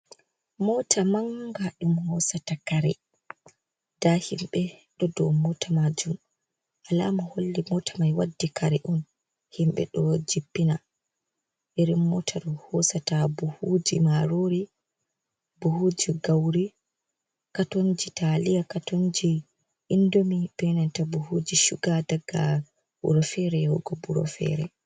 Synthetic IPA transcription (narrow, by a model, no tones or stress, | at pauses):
mɔtʰamaŋɡaɗumhɔsatakaɾɛ | d̥ahimɓɛɗɔdɔmɔtʰamad͡ʒum | ʔala̰mɔholːimɔtʰamajwadːikʰaɾɛʔum | himɓɛ̰ɗɔd͡ʒipːina | ʔeɾimːɔtʰaɾɔhɔsatabuhud͡ʒimaɾoɾi | buhud͡ʒiɡawɾi | katoɲd͡ʒitalijakatond͡ʒi | ʔindomib̥ɛnantabuhud͡ʒiʃuɡadaɡːa̰ | bṵɾɔfɛɾɛwɔɡɔbuɾɔ̰fɛ̰ɾɛ